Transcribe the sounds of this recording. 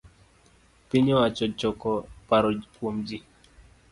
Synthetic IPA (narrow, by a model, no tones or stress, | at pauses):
piɲɔwat͡ʃɔt͡ʃɔkɔpaɾɔkwomd͡ʒi